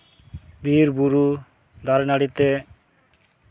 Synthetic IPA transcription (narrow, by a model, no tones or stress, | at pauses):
bʱiɾbuɾu | d̪ʱaɾenaɽit̪e